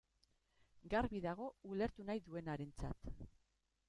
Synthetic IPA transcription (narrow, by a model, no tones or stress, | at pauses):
ɡaɾβiðaɣ̞o̞ule̞ɾt̪unajðue̞naɾe̞nt͡sa̰t̪